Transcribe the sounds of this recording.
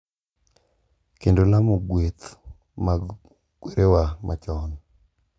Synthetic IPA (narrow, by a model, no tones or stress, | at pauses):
kendolamoɡwet̪ | ma | ɡ̥weɾewamʔa̰t͡ʃɔn